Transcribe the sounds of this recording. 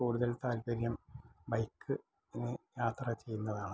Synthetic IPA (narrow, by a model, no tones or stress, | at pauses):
kuːɽuðɐlt̪aːlbɐɾjɐmbɐjkːɨ | enːɨjaːt̪rɐt͡ɕe̞jːunːɐðaːɳɨ